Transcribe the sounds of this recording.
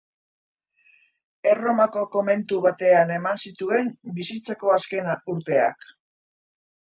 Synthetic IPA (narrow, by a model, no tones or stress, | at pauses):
ero̞mako̞ko̞me̞nt̪uβat̪e̞ane̞mansit̪ue̞mbisit͡sako̞aske̞nuɾt̪e̞a̰k